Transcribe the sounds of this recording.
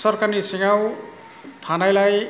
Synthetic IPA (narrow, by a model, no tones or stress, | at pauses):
sʌrkanisiŋaw | t̪ʰanajlaj